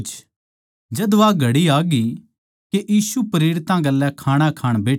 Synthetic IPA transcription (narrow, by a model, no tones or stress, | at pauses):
t͡ʃ | d͡ʒɐd̪ʋaːɡʱɐɽiaːɡi | keʔiːsupɾeːɽɪt̪ãɡɐlːɛkʰaːɽ̃akʰaːɽ̃beːʈʰ